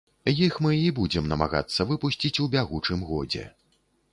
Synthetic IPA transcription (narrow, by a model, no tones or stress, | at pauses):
jixmɨibud͡zʲɛmnɐmaɣa̰t̪sːɐvɨpusʲt͡sʲit͡sʲubʲaɣut͡ʂɨmɣɔ̰d͡zʲɛ̰